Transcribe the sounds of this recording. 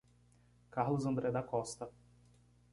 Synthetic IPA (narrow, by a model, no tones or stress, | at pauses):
kaɾlʊzɐ̃nd̪ɾɛd̪ɐkɔst̪ɐ